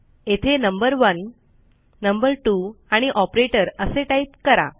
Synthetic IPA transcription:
et̪ʰenəmbəɾʋənː | əmbəɾʈuaɽ̃iʔɔpɾeʈəɾəseʈaip̚kəɾa̰

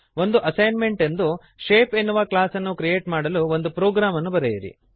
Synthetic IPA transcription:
o̞nd̪uʔɐsɐjnme̞ɳʈe̞nd̪u | ʃeːpenːuʋɐklaːsɐnːukɾije̞ːʈmaːɽɐluo̞nd̪upɾoːɡɾaːmɐnːubɐɾejiɾḭ

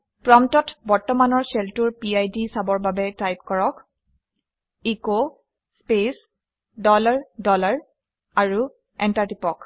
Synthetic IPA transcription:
pɹɔmtɔtbɔɹtɔmanɔɹsɛltuɹpiajdisabɔɹbabɛtajp̚kɔɹɔk | iko | spes | dɔlaɹdɔlaɹ | aɹu | ɛntaɹtipɔk

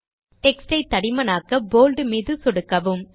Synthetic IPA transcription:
ʈɛksʈɐɪt̪ːɐɽɪmɐnaːkɐboːlɖɯmiːðɯsɔɽɯkːɐʋɯm

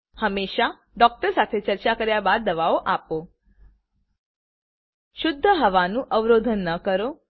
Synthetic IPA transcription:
həmeʃa | ɖɔk̚ʈəɾsat̪ʰet͡ɕəɾt͡ɕakəɾjabad̪ːəʋaoʔapo | ʃʊd̪ʱːəɦəʋanũːʔəʋɾod̪ʱənːəkəɾo

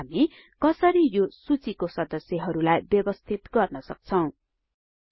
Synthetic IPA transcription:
ami | kʌsʌɾijosut͡sikosʌd̪ʌsjʌɦʌɾulajbjʌbʌst̪ʰit̪ɡʌrnʌsʌk̚t͡sʰʌw̃

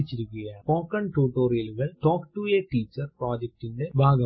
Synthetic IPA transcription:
it͡ɕːiɾukʲːujɐpoːkːɐɳʈuːʈːoːɾijɐlɣɐɭʈoːkʈueʈiːt͡ɕːɐrproːd͡ʑek̚ʈinɖebʱaːɡɐ

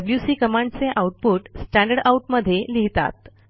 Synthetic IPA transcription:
əbljusiːkəmãɳɖt͡seʔawuʈ̚puːʈsʈæ̃ɳɖəɽauʈməd̪ʱːjeliɦt̪a̰t̪

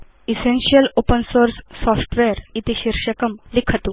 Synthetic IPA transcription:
isenɕiəlopənsoɾsːɔfʈʋeəɾit̪iɕiɾʂəkəmlikʰət̪u

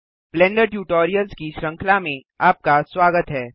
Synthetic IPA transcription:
blɛ̃ːɳɖəɾʈjuːʈoːɾijəlzkiʃɾɐ̃ŋkʰlamẽ | aːp̚kaswaːɡət̪ɦɛː

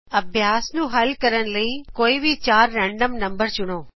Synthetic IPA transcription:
ɐbʱjaːsnũːɦɐlkɐɾəñləiːkoːibʱit͡ʃaːɾːɛ̃ːɳɖəmnɐ̃mbəɾt͡ʃʊɽ̃oː

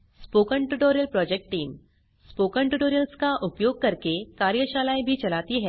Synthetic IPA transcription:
spokəɳʈuʈoɾijəlpɾɔd͡ʑek̚ʈːiːm | spokəɳʈuʈoɾijəlskaʔupjoɡ̚kəɾkekaɾjəɕalajbʱiːt͡ɕɐlat̪iːɦɛ

